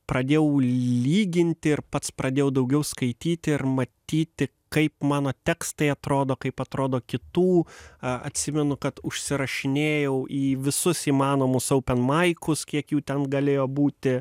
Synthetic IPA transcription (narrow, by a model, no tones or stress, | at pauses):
pɾɐd̪ʲeːjɛʊlʲiːɡʲɪnʲt̪ʲɪɪrpɐt̪spɾɐd̪ʲeːjɛʊd̪ɐʊɡʲɛʊskɐɪt̪ʲiːt̪ʲɪɪrmɐt̪ʲiːt̪ʲɪ | kɐɪpmɑːnoːt̪ʲɛːkst̪ɐɪɐt̪ɾoːd̪oːkɐɪpɐt̪ɾoːd̪oːkʲɪt̪uːɐ̰t̪ʲsʲɪmʲɛnʊkɐt̪ʊʃʲsʲɪɾɐʃʲɪnʲeːjɛʊʔiːʋʲɪsʊsiːmɑːnoːmʊsɐʊpʲɛnmɐɪkʊskʲiɛkjuːt̪ʲɛnɡɐlʲeːjoːbuːt̪ʲɪ